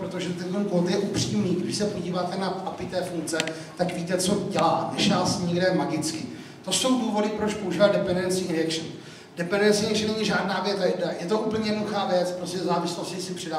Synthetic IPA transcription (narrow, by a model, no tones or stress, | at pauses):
pɾot̪oʒɛt̪ɛnt̪onkot̪jɛʔupr̝̥iːmniːɡdɪʃsɛpo̞ɟiːvaːt̪ɛnaapɪt̪ɛːfuŋkt͡sɛ | t̪akviːt̪ɛt͡so̞ɟɛlaːt̪nɛʃaːsɲɛɡdɛmaɡɪt͡skɪ | t̪o̞so̞wduːvo̞dɪpɾo̞t͡ʃpo̞uʒiːvadɛpɛndɛnt͡sɪɾɛkʃn | dɛpɛndɛnt͡sɪɛkʃɛnɛɲɪʒaːdnaːvjɛt̪ajɛdajɛt̪o̞ʔupl̩ɲɛjɛnoduxaːvjɛt͡spɾoscɛzaːvɪslo̞scɪsɪpr̥ɪda